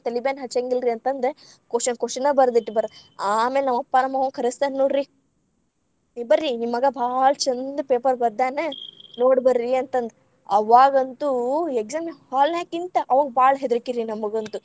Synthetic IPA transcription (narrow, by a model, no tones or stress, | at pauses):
t̪elibeːnɦɐt͡ʃeŋɡilɾiɐnt̪ɐnd̪ɾe | koʃɐnkoʃɐnɐbɐɾd̪iʈːibɐɾaːmeːlnɐʋɐpːaːnɐmɐʋɐŋkʰɐɾɐst̪anːoːɽɾi | bɐɾːinimːɐɡɐbʱaːɭt͡ʃɐnd̪ɐpeːpɐɾbɐɾd̪aːnenoːɽbɐɾːiɐnt̪ɐnd̪e | ɐʋaːɡɐnt̪ueɡzaːmhaːlnaːkint̪ɐʔɐʋaːɡ̚baːɭɦed̪ɾɐkːiɾinɐmːɐɡɐnt̪u